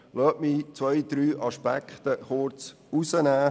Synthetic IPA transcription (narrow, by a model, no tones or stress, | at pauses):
lɔːʔmit͡sʋœjd̪̥ɾyːʔɑʃpækχt̪əχʊɾt͡s | usənæː